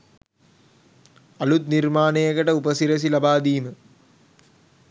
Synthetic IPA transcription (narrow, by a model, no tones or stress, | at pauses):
ɐlut̪nirmaːnejəkəʈəupəsiɾɐs̬ilɐbaːd̪iːmə